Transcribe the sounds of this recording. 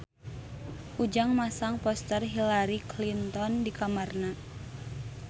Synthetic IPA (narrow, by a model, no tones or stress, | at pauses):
ʔud͡ʒaŋmasaŋpɔst̪ərɦilaɾiklint̪ɔndikamarna